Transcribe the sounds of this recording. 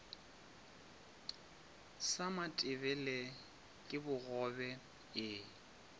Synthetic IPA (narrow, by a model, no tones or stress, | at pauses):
samatʼɪβɛlɛ | kʼɪbʊɣɔbɛ | ɪ